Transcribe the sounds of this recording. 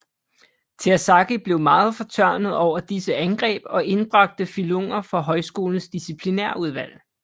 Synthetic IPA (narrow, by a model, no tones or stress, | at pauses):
t͡sʰeɐsɑ̈ɡ̥ib̥le̝ʊmɑ̈ːð̞̩ˠfɒ̽t͡sʰɶɐ̰nəð̩ˠɒʊ̰ɐd̥isəænɡ̥ʁɛ̰ːb̥ɒ̽ʔe̝nb̥ʁɑ̈ɡ̥̚d̥əfiloɔŋ̰ɐfɒ̽ɦɒ̽ɪsɡ̥o̝ːln̩sd̥isipʰlineɐ̰uð̞ˠʋæl̰